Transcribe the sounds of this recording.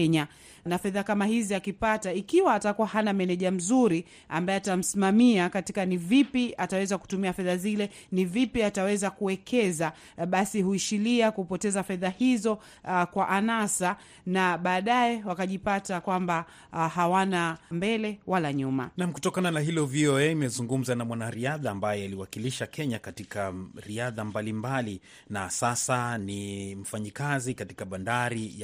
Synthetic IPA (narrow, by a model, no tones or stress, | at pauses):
ɛɲa | nafɛðakamahiziakipataikiwaːtakuwahanamɛnɛʄam̩zuɾi | a̰mbajɛatam̩simamiakati̥kanivipiatawɛzaku̥tumiafɛðazilɛ | nivipiatawɛzakuwɛkʰɛza | ɓasihuiʃiliakupɔtɛzafɛðahizɔ | kwaʔanasa | naɓaːɗajɛwakaʄipatakwamba | ɦawanambɛlɛwalaɲumanam̩kutɔkananaɦilɔviɔɛimɛzuŋɡum̩zanamwanaɾiaðaːmbajɛaliwakiliʃakɛɲakatikaɾiaðambalimbali | nasasanim̩faɲikazikatikaɓandaɾij